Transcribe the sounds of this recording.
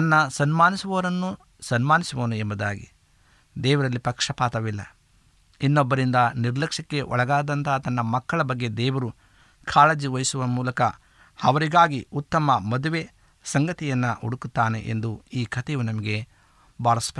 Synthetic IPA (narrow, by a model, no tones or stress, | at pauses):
nɐnːɐsɐnmaːnisuʋɐʋɐɾɐnːu | sɐnmaːnisɐʋoːnuembɐd̪aːɡḭ | d̪ɛːʋɐɾɐlːipɐkʂɐpaːt̪ɐʋilːɐ̰ | inːɔbːɐɾind̪ɐniɾlɐkʂɐkːe̞ʔɔ̰ɭɐɡaːd̪ɐnt̪ʰɐt̪ɐnːɐmɐkːɐɭɐbɐɡːe̞d̪ɛːʋɐɾu | kʰaːlɐd͡ʒiʋɐjisuʋɐmuːlɐkɐ | ɐʋɐɾiɡaːɡiut̪ːɐmɐmɐd̪uʋe̞ | sɐŋɡɐt̪ijɐnːɐuɽukut̪ːaːnḛʔḛnd̪uiːkʰɐt̪ɛʋunɐmɐɡe̞ | baːɭɐspɐ